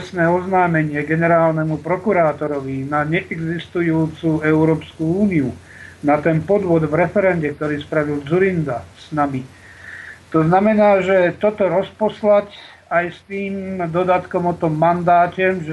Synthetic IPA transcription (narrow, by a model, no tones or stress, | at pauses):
snɛːɔznaːmɛɲɪɛɡɛnɛɾaːlnɛmupɾɔkuɾaːt̪ɔɾɔʋinaɲɛʔɛɡzist̪ujuːt͡suɛʊɾɔːpskuuːniu | nat̪ɛnpɔd̪ʋʊɔd̪vɾɛfɛɾɛnɟɛkt̪ɔɾiːspɾaʋild͡zuɾind̪asnami | t̪ɔznamɛnaːʒɛt̪ɔt̪ɔɾɔspɔslac | ajst̪iːmd̪ɔd̪at̪kɔmɔt̪ɔmːand̪aːcɛmʒ